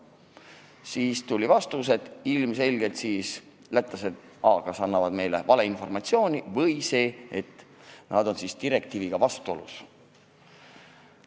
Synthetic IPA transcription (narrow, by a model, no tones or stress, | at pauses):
siːst̪ulʲivɑst̪us̬e̞d̪̥ilmse̞lʲɡe̞lt̪siːs | læt̪ːˑɑsed̪̥ | ɑːɡ̥ɑsɑnːɑvɑd̪̥me̞jle̞̰vɑle̞info̞rmɑt̪sio̞ːnʲivɤjse̞ːet̪ːnɑd̪o̞nsist̪iɾe̞k̚t̪iːviɡ̥ɑvɑst̪uo̞lṵs